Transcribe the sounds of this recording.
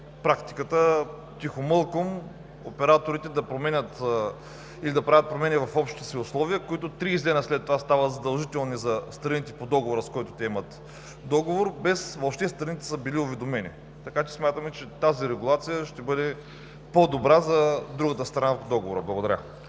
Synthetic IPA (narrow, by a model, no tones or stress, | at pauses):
pɾakt̪i̥kət̪ə | t̪ixomɤlˠkom | opɛɾat̪oɾit̪ɛd̪ɐpɾomɛnʲət̪ | ilid̪ɐpɾavət̪̚pɾomɛnʲivɐfɔpʃt̪ɛt̪ɛsiʊslˠɔviəkoit̪ot̪ɾiːzdlɛnəslɛt̪ːovast̪avəzɐd̪ɐlˠʒit̪ɛlˠnizɐst̪ɾɐnit̪ɛpod̪ɔɡovoɾəskɔit̪ʊt̪ɛɛmɐt̪ | d̪ɔɡovoɾbɛsvopʃt̪ɛst̪ɾɐnit̪ɛ̥səbiliʊvɛd̪omɛnḭ | t̪ɐkat͡ʃɛ̥smʲat̪əmɛt͡ʃɛt̪aziɾɛɡʊlˠat̪sijəʃt̪ɛbɤd̪ɛ | pod̪obɾazɐd̪ɾuɡət̪əst̪ɾɐnapod̪ɔɡovoɾəblˠɐɡod̪ɐɾʲa̰